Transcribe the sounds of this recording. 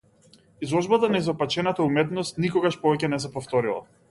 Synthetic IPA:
izlˠɔʒbat̪anaizɔpat͡ʃɛnat̪aumɛt̪nɔst̪nikɔɡaʃpɔvɛcɛnɛs̬ɛpɔft̪ɔɾilˠa̰

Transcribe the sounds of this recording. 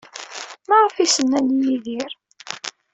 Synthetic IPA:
maʁəfisənːænijiðiɾ

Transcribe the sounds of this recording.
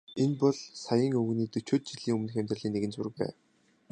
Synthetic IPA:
enpɔɮsajə̆ŋɵɣniːt̪ɵt͡ɕʊːt̪̚t͡ɕiɮiːŋɵmnɘ̆xæmʲt̪r̆ɮiːŋneɣɘ̆nt͡sʊ̆rɘ̆k̚pæ̰ː

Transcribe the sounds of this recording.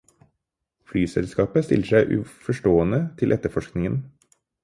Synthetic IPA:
flyːsɛlskɑːpəst̪ɪ̰ləʃæɪʔʉ̰ːfɔʃʈoːənət̪ʰɪlʔɛt̪əfɔʃknɪŋən

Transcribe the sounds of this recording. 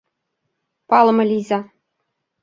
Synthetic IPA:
pɑlˠɤ̆mɤ̆lʲizʲɑ

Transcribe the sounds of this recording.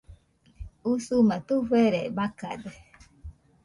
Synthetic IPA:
usumat̪uɸeɾebaka̰d̪e

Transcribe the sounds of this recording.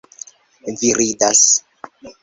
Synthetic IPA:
viɾidas

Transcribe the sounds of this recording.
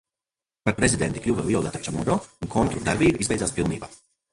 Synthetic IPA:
paɾpɾezʲid̪ent̪iklʲuːvavilˠd̪at̪at͡ʃamud̪ɔːunkʰɔnt̪ɾud̪aɾbiːbizvɛjd̪zaːspilˠniːbaː

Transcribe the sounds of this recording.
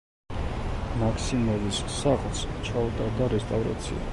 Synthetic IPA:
makʰsimɛvisːaχlˠst͡ʃʰaut̪ʼad̪aɾɛst̪ʼavɾa̰t̪sʰḭa̰

